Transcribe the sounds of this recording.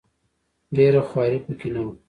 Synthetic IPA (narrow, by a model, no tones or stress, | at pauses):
ɖeɾaxwɑɾipəkɪnawu